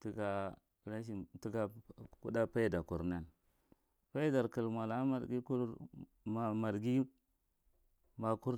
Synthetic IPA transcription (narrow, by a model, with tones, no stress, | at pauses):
ti˨ɡa˨ | ɾa˦ʃ̬i˨ti˦ɡa˨kṵ˦da˦pa˦i˦da˨ku˨ɾna˨n | pa˦i˦da˨ɾkə˨lmʷa˨la˨˦ma˨ɾɡi˦ku˦ | ma˨ma˨ɾɡi˦ | ma˨ku˦ɾ